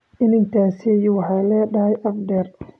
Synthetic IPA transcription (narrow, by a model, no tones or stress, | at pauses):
ɪnɪŋk̪ʰaːsijʊwɑħɑlɛːɖɐhɛjʔɐfd̪ɛr